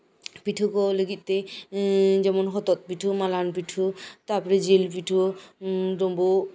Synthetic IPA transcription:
piʈʰukoleɡit̪ːe | d͡ʑɛmonɦɔt̪ot̪̚piʈʰumalanpiʈʰut̪aɾpɔɾed͡ʑilpiʈʰu | ɖombo

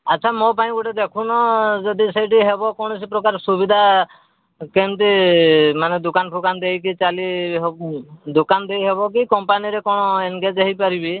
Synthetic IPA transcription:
aːt͡ʃʰamɔpaĩɡuʈed̪ekʰunɔd͡ʒɔd̪isejʈ̬iɦebɔkɔɽ̃ɔs̬ipɾɔkaɾsubid̪ʱa | kent̪imaned̪ukanpʰukand̪ejkit͡ʃaliɦd̪ukand̪ejɦebɔkikɔmpaniɾekɔɽ̃ɔeŋɡed͡ʒeɦipaɾibi

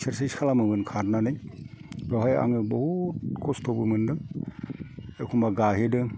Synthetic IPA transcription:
seɾseskʰalamɯbɯnkʰaɾnanɯj | ɾɔɦaja̰ŋɯbɔhutkʰostʰobɯmɯndɯ | ekʰumaɡaɦedɯ

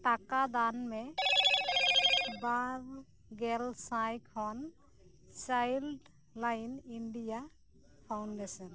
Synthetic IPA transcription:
ʈakad̪anmɛ | baɾ | ɡɛlsãjkʰɔn | t͡ʃajlɖ | lajninɖija | pʰawnɖɛsɔn

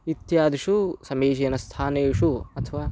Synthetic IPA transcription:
it̪jaːd̪iʂusɐmeːd͡ʒeːnɐst̪ʰaːneːʂuɐt̪ʰɐʋaː

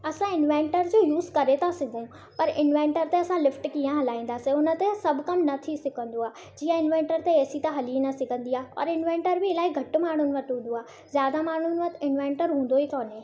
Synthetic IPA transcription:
ɐsãɪnʋẽːɳʈəɾd͡ʑoːjuːzkɐɾet̪ʰasɪɡʱũ | pɐɾʔɪnʋẽːɳʈəɾt̪eɐsãlɪfʈkiːãɦɐlaːĩːn̆d̪aːsẽʊnə̆t̪esɐbʱʊkɐmnɐt̪ʰisɪkə̃nd̪oaː | d͡ʑiːə̃ɪnʋẽːɳʈəɾt̪eeːsit̪aɦɐlinɐsɪɡʱə̃nd̪iaːɦɔ̰ːɾɪnʋẽːɳʈəɾbɪɪlaːiɡʱɐʈmaːɳ̤ʊnɪ̆ʋɐʈɦũːn̆d̪oaː | zjaːd̪amaːɽ̤ʊnɪ̆ʋɐt̪ɪnʋẽːɳʈəɾɦũːn̆d̪oɦikɔːnẽ

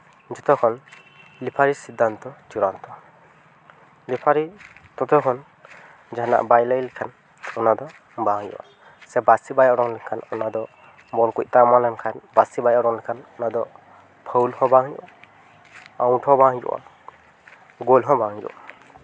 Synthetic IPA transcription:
d͡ʒɔt̪ʰɔkʰɔn | lipʰaɾisid̪ant̪ɔd͡ʒuɾant̪ɔ | lipʰaɾit̪ɔt̪ʰɔkʰɔn | d͡ʒana̰ʔbajlajlikʰan | ɔnad̪ɔ | baŋjṵwʔa̰ | sɛbasibajɔɾɔŋlɛkʰanɔnad̪ɔ | bɔlkuc̚t̪amalankʰanbasibajɔɾɔŋlɛkʰanɔnad̪ɔ | pʰəwlhɔbaŋjṵʔa | awʈhɔbaŋd͡ʒṵʔa̰ | ɡolɦɔbaŋd͡ʒṵʔa

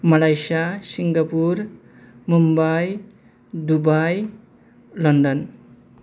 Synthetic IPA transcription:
mʌlajsasiŋɡʌpur | mumbaj | d̪ubaj | lʌnɖʌn

